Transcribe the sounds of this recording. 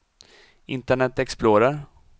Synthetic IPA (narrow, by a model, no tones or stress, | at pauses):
ɪnt̪əɳɛt̪ɛksploːɾaɾ